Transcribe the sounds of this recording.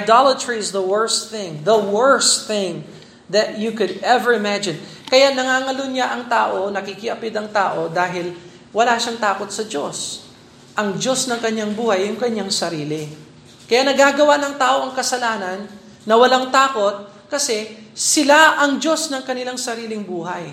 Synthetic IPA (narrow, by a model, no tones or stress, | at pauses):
jd̪alɐt̪ɹiɪzðɐwɛɹsθɪ̃ŋðɐwɛɹsθɪ̃ŋ | ðɐt̪jukʊd̪ɛvəɹɪmad͡ʒɪ̃n | kɐjaʔnɐŋaːŋɐloɲaʔɐŋt̪aːʔo̞nɐkikɪʔɐpɪd̪ɐŋt̪aːʔo̞d̪aːɦɪl | wɐlaːʃaŋt̪aːko̞t̪̚sɐd͡ʒo̞s | ʔɐŋd͡ʒo̞snɐŋkɐɲːaŋbuːhɐjːʊŋkɐɲːaŋsɐɾiːlɪ | kɐjaʔnɐɡaːɡɐwanɐŋt̪aːʔo̞ʔɐŋkɐsɐlaːnɐnː | ɐwɐlaŋt̪aːko̞t̪̚ | kɐsɛsɪlaʔɐŋd͡ʒo̞snɐŋkɐnɪlaŋsɐɾiːlɪŋbuːɦɐj